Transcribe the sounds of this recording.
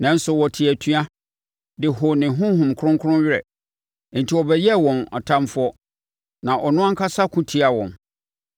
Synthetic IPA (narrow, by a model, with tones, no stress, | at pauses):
nã˨˦n̩˦sʊ˨wɔ˨tʰɪ˨æ˨tʰɥa˦ | dɪ˨ɦʊ˨nɪ̃˨ɦʊ̃˦ɦʊ̃˨m˨kʰʊ̃˦ŋkʰʊ˦ʊ̃˦ɥɪ˦ɾɛ̰˨˦ | n̩˨tʰi˨wɔ˨bɛ˦jɛ˦wɔ̃˨na̰˨tʰã˦mfʊ˦ɔ˦ | nã˨ʔɔ˨nʊ̃˦a˦ŋ̩˦kʰa˦sa˦kʰʊ̃˦tʰi˦a˨wɔ̰̃˨n